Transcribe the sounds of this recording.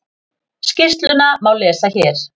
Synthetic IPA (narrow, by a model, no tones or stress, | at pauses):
scɪst̪lʏnamaːwlɛːsaçɛːɾ̥